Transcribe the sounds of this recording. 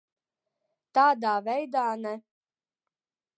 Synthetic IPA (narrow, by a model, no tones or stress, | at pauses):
t̪aːd̪aːvʲɛjd̪aːnɛ